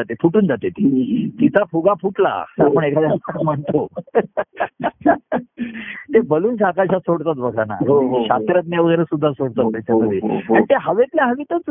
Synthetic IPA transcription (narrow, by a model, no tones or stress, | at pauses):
at̪efuʈuːnd͡zat̪et̪it̪it͡sapʰuɡapʰuʈla̰sapəɳekʰad̪jasam̤əɳt̪o | t̪ebəluːnɕakaɕasoɽt̪at̪bəɡʱana̰ɦoɦɕat̪ɾət̪̬naʋəɡəjɾesud̪ʱːasoɽt̪at̪ːɛt͡ɕak̪əɾiːãit̪eɦəʋet̪ljaɦəʋit̪ət͡s